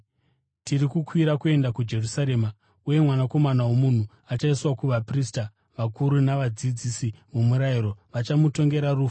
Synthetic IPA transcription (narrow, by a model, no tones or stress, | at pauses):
tirikukwiɾakue̞ndakud͡ʒe̞rusaɾe̞ːma | uje̞mwanako̞manawomun̤u | at͡ʃaiswakuʋaprista | ʋakuɾunaʋad͡zid͡zisimumuɾaiɾo̞ʋat͡ʃamuto̞ŋɡe̞ɾaruːfa